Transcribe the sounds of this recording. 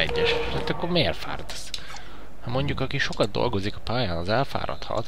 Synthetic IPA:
ɛɟːɛʃɛɛt̪ːɒkːormeːrfa̰ːrd̪s | hɒmo̞ɲɟukɒkiʃo̞kɒd̪̚d̪o̞̰lɡo̞zikɒ̥paːjaːnɒzɛlfa̰ːɾɒ̰t̪hɒ̰t̪

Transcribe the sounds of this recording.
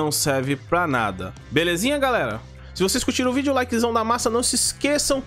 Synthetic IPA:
ɐ̃w̃sɛɾvɪpɾɐna̰d̪ɐ̰ | belezĩɲɐɡalɛɾɐ̰ | sɪvoseiskut͡ʃiɾʊvid͡ʒʊlajkɪɪzɐ̃w̃d̪ɐmasɐnɐ̃w̃sɪskesɐ̃w̃

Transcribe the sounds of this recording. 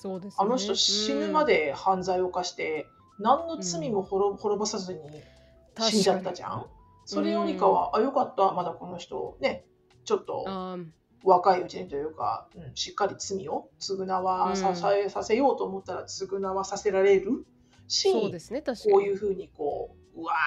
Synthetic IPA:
ano̞çi̥t̪o̞ɕinɯ̟mad̪e̞hãnd͡zaio̞kaɕi̥t̪e̞ | nãnːo̞t͡sɨmʲimo̞hoɾoho̞ɾo̞bosazɨɲ̟i | ɕĩɲd͡ʑat̪ːaʑã̰ɴ | so̞ɾe̞joɲ̟ikaβa̰ʔajo̞kat̪ːamad̪ako̞no̞çi̥t̪o̞̰ne̞ | t͡ɕo̞t̪ːo̞̰ | βakaiɯ̟t͡ɕiɲ̟it̪o̞jɯ̟ːka̰ɯ̟̃ɴɕi̥kːaɾʲit͡sɨmʲio̞t͡sɨɡɯ̟naβasasasase̞jo̞ːt̪o̞ːmo̞t̪ːaɾat͡sɨɡɯ̟naβasase̞ɾaɾe̞ɾɯ̟ | ɕiko̞ːjɯ̟ːɸɯ̟ːɲ̟iko̞̰ː | ɯ̟a

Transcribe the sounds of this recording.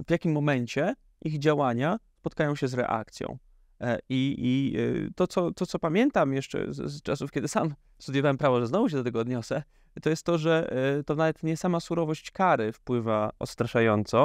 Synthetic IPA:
vʲjakʲimːɔmɛɲt͡ɕɛ | ʔiɣd͡ʑawaɲaspɔt̪kajɔ̃w̃ɕɛzɾɛ̰ʔa̰k̚t̪sʲjɔ̰̃w̃ | iit̪ɔt̪sɔt̪ɔt̪sɔpamʲjɛnt̪amjɛʂt͡ʂɛ̰t͡ʂasufkʲɛd̪ɘsam | st̪ud̪jɔvawɛmpɾavɔʐɛznɔvuɕ̬ɛd̪ɔt̪ɛɡɔːd̪ɲɔsɛ | t̪ɔjɛst̪ːɔʐɛt̪ɔnavɛt̪ɲɛsamasuɾɔvɔɕt͡ɕkaɾɘfpwɘvaɔ̰t̪st̪ɾaʂajɔnt̪sɔ

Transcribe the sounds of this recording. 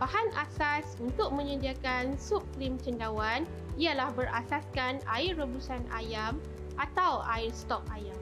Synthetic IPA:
bahanʔasasunt̪ʊk̚mə̃ɲə̃diakansup̚klimt͡ʃəndawan | ialahbəɾa̰saskana̰ɪrːəbusanʔa̰jam | ʔat̪awaɪrst̪ɔk̚ajam

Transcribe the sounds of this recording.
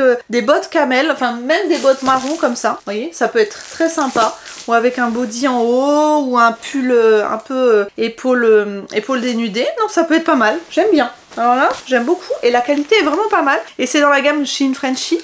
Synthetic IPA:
ød̪ebɔt̪kʲamɛlɑ̃fɛ̃mɛmd̪ebɔt̪maʁɔ̃kɔmsavwajesapøɛt̪χt̪χɛsɛ̃pauavɛkɛ̃bod̪iɑ̃ouɛ̃pʰyløɛ̰̃pøøepʰoløepold̪enyd̪enɔ̃sapøɛt̪χpamalʒ̥ɛmbjɛ̃ | alɔʁlaʒɛmbokʰuelakalit̪eɛvʁɛmɑ̃pamalesɛd̪ɑ̃laɡʲamʃinfχɛ̃nʃi

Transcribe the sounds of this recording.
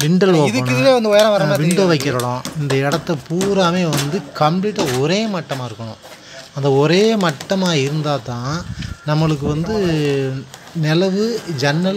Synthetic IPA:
ʋɪɳɖɐloːɪðɯkɐɳkːɪðɯleːʋɐnd̪ɯɔjɐɾɐ̃ʋɐɾaʋɪɳɖɯʋɐɪkːɪɾɐɽõɪnd̪ɐɪɽɐt̪ːɐpuːɾaːmeːʋɐnd̪ɯkɐmpliːʈːɐɔɾeːmɐʈːɐmaːɪɾɯkːɐɳʊ̰̃ | ɐnd̪ɐɔɾeːmɐʈːɐmaːɪɾɯnd̪aːt̪ãːnɐmːɐɭɯk̬ːɯʋɐnd̪ɯ | nɛlɐʋɯd͡ʒɛnːɐl

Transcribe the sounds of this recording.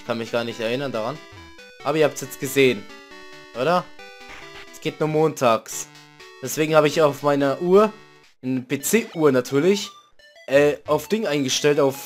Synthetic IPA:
ɪçkʰanmɪçɡ̥aːɐnɪçtɛɐɪnɐndaʁan | ʔaːbɐiɐhaːptsjɛt͡st̚ɡ̥əzeːən | ʔoːɾɐ | ɛsɡ̥eːtnuːɐmoːntʰaːks | d̥ɛsv̥eːɡŋ̩haːbəɪçaʊfmaɪnɐʔuːɐ | nbeːt͡seːʔuːɐnatʰyːɐlɪç | ʔɛːʔaʊfd̥ɪŋəʔaɪnɡəʃtɛltaʊf

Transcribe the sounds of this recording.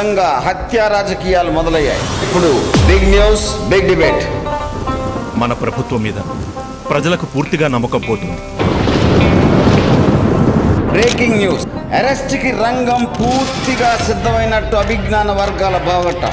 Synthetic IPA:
ɐŋɡaːɦɐt̪jaːɾaːd͡ʒɐkiːjaːlumɔd̪ɐlɐjːa̰ːjḭpːuɽubiɡnjuːsbiɡɖibeːʈ | mɐnɐpɾɐbʱut̪ʋɐmːiːd̪ɐ | pɾɐd͡ʒɐlɐkupuːɾt̪iɡaːnɐmːɐkɐmpoːt̪und̪i | bɾeːkiŋɡnjuːsɐɾesʈikiɾɐŋɡɐmpuːɾt̪iɡaːsid̪ʱːɐmɐjnɐʈːuɐbʱiɡnaːnɐʋɐɾɡaːlɐbʱaːɐɡɐɳʈːɐ̰

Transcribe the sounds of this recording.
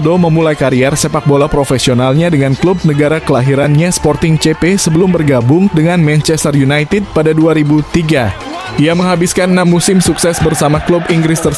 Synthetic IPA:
doməmulajkaɾiɛrsepak̚bolapɾofesionalɲadəŋanklub̚nəɡaɾakəlaɦiɾanɲaspɔrt̪ɪŋt͡ʃepesəbəlʊmbərɡabʊŋdəŋanmɛnt͡ʃɛst̪ərjunajt̪ɪd̚padaduaɾibut̪iɡa | ʔijaməŋɦabɪskannamusɪmsuksɛsbərsamaklubiŋɡɾɪst̪ər

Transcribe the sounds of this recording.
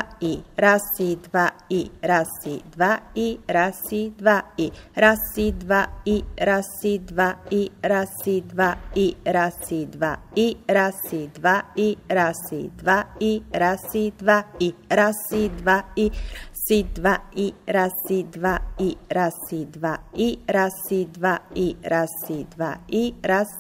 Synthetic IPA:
iɾasid̪vaiɾasid̪vaiɾasid̪vaiɾasid̪vaiɾasid̪vaiɾasid̪vaiɾasid̪vaiɾasid̪vaiɾasid̪vaiɾasid̪vaiɾasid̪vaiɾsid̪vaʔiɾasid̪vaiɾasid̪vaiɾasid̪vaiɾasid̪vaʔiɾas

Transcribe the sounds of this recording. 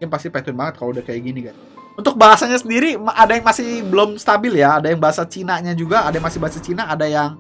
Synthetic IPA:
ɪnpast̪ipat̪ʊnbaŋət̪̚kaloudahkajaɡiniɡan | unt̪ʊk̚baɦasaɲasəndiɾimʔadajaŋmasɪhbəlʊmst̪abɪljaːdajaŋbaɦasat͡ʃinaɲad͡ʒuɡaːdajaŋmasɪhbaɦasat͡ʃinaːdajaŋ

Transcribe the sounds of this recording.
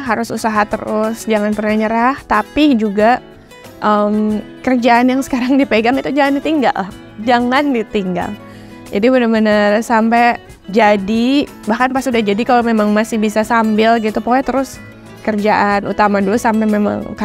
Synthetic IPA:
ɦaɾʊsusaɦat̪ə̰ɾʊsd͡ʒaŋanpərnahɲəɾaht̪apid͡ʒuɡa | ʔəmkərd͡ʒaʔːnjaŋsə̥kaɾaŋdipeɡaŋit̪ud͡ʒaŋandit̪iŋɡa̰l | d͡ʒaŋandit̪iŋɡa̰l | d͡ʒadibədamənasampɛ | d͡ʒadi | bahkanpastudahd͡ʒadikalomemaŋmasɪhbisasambɪlɡit̪upoɛt̪əɾʊs | kərd͡ʒaʔanut̪amadulusampɛmema̰ŋka

